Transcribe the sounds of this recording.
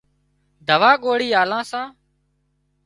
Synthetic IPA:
d̪ʱəʋaːɠoːɽiːaːlãːsãː

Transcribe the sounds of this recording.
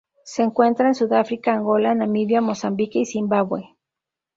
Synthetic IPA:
seːŋkwent̪ɾaensuðafɾikaːŋɡolanamiβjamosambikeisimbawe

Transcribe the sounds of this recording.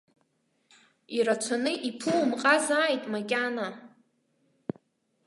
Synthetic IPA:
iɾat͡ʃʷʰanɨʔipʰuwmqʼazaːjtʼmakʲʼana

